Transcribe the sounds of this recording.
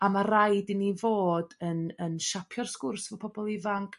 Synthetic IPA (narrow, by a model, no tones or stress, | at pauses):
amarajdɪnivoːdənənʃapʰjɔrskʊrsvɔpʰɔbɔlˠɪvaŋkʰ